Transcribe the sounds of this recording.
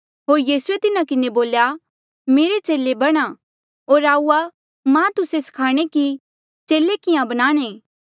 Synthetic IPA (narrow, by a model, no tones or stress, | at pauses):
ɦoːɾjiːsuet̪ɪnakɪneboːlja | meːɾet͡ʃeːlebɐɽ̃a | ɦoːɾaːuːa | mãːt̪ʊsesɐ̥kʰaːɽ̃eki | t͡ʃeːlekɪjãbɐñaːɽ̃eː